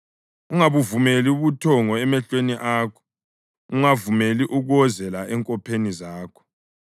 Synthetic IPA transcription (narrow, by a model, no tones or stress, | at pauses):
uŋaβuvumeliuβutʰɔŋɔɛmɛɬweniʔaːkʰɔ̥ | uŋavumeliʔuɣɔzɛlaʔɛŋkʼɔpʰenizaːkʰɔ̥